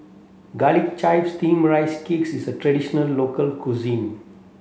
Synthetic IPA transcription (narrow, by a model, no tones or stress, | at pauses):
ɡalikt͡ʃaɪfst̪ʰĩːmɾaɪskiːksɪzəʈɾəɖɪʃənəlːoːkəlkuzĩːn